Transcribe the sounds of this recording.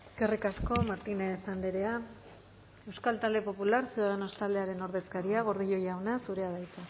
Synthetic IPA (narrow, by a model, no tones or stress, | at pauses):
ekerikasko̞maɾt̪inesand̪eɾe̞a | e̞wskalt̪ald̪e̞po̞pulaɾsiuðaðeno̞st̪ald̪e̞aɾe̞no̞ɾðe̞skaɾiaɣ̞o̞ɾðiʎo̞jawnasuɾe̞aðajt͡sa